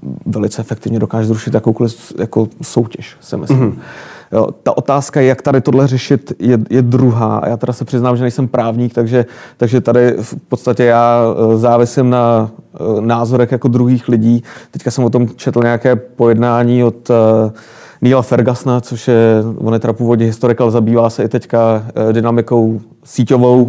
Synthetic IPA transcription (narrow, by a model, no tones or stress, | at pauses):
vɛlɪt͡sɛʔɛfɛk̚t̪ɪvɲɛdo̞kaːʒɛzɾuʃɪt̪jakowko̞lɪfjako̞sowcɛʃsɪ̰mɪ̰slɪmjo̰ːt̪aʔo̞t̪aːskajɛjakt̪adɪt̪o̞dlɛrɛʃɪt̪jɛjɛdɾuɦaːʔa̰jaːt̪ɛɾasɛpr̝̥ɪznaːmʒɛnɛjsɛmpɾʔaːvɲiːk̚t̪aɡʒɛt̪aɡʒɛt̪adɪfpot̪st̪acɛjaːzaːvɪsɪmna | naːzo̞ɾɛxjako̞d̪ɾuɦiːxlɪɟiːɛckasɛmvot̪o̞mt͡ʃʰɛt̪l̩ɲɛjakɛːpo̞jɛdnaːɲiːot̪ | niːlafɛɾɡasnat͡so̞ʃjɛvonjɛt̪ɛɾapuːvodɲɛɦɪst̪o̞ɾɪkalɛzabiːvaːsɛɪt̪ɛckadɪnamɪko̞w | siːco̞vo̞w